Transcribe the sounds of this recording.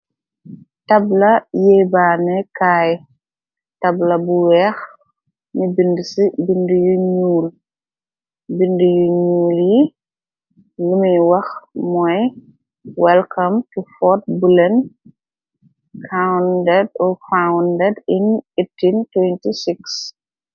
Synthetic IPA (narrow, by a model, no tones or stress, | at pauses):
tɐblɐjɛbaːnɛkaːj | tɐblɐbuwɛːx | nibindəsibindujuɲuːl | bindujuɲuːlji | lumiwɐxmɔj | wɛlkɐmtufɔt̚bulɛn | kʰawndɛd̚ɔfawndɛdinitːintwɛntisiks